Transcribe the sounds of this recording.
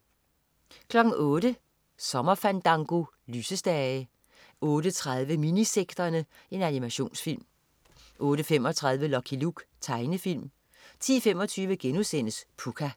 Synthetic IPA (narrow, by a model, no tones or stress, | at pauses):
kʰlɒ̽ɡ̥n̩ʔɔ̽ːɾə | sɒ̽mɐfænd̥ɑ̈ŋɡ̥o̝ | lyːsəsd̥ɛə | ʔɔ̽ːɾət͡sʰʁaðˠʋəminiseɡ̥d̥ɐnəe̝nænimæɕo̝̰ːnsfil̰m | ʔɔ̽ːɾəfem̰ɒ̽t͡sʰʁäð̞ˠʋəlɒkʰiluɡ̥t͡sʰɑ̈ɪnəfil̰m | t͡sʰḭːfem̰ɒ̽t͡sʰyːʋəɡ̥enusen̰əspʰukʰæ